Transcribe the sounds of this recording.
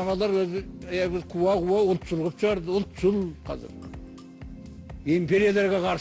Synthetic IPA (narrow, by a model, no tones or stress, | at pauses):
ɑmɑlˠɑɾwɵzɪbɪqʰuwɑquwɑʊlˠt̪ʒʊlˠʁəpʃəʁɑɾd̪əʊlˠt̪ʒʊlˠqʰɑ̰zɪ̰ɾ | impʲe̞ɾijalˠeɾɡʲeqʰɑɾs